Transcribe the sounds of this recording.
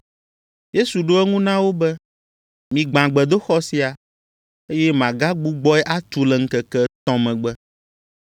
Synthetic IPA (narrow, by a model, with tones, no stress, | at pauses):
je˦su˨ɖo˦ɛ˦ŋũ˦nã˦wo˦bɛ˦ | mĩ˨ɡ͡bã˨ɡ͡bɛ˨d̪o˦xɔ˦si˦a˨ | e˦jɛ˦mã˨ɡa˦ɡ͡bu˦ɡ͡bɔ˦ɛ˦ʔa˦t̪u˨lɛ˨ŋ̩˦kɛ˨kɛ˦t̪ɔ̃˦mɛ̃˨ɡ͡bɛ˦